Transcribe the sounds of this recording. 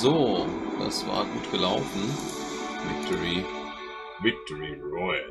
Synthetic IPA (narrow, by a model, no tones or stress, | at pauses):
zoːd̥a̰sv̥a̰ːɐɡuːtɡ̥əlaʊtn̩ | vɪk̚tʰɔʁi | vɪk̚tʰɔʁiʁɔɪ